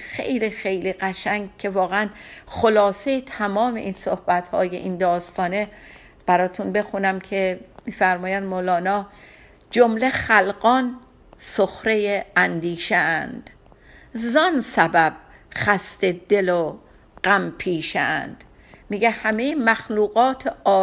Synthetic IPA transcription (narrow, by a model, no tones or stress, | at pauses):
xḛjliːxe̞jliːɢæʃæŋɡ̚cʰe̞vɒːɣeænχolɒːsejet̪ʰæmɒːme̞ʔinsohbæt̪hɒ̰ːje̞̰ʔind̪ɒːst̪ʰɒːne̞ | b̥æɾɒːt̪ʰunbe̞xunæmcʰe̞miːfæɾmɒːjænd̪molɒːnɒː | d͡ʒomle̞χælɢɒn | soxɾe̞jeænd̪iːʃeænd̪̥ | zɒnsæbæb̥ | xæst̪ed̪e̞lo | ɢ̥æmpʰiːʃend̪̥ | miːɟehæmejemæxluːɣɒːt̪ʰeʔɒː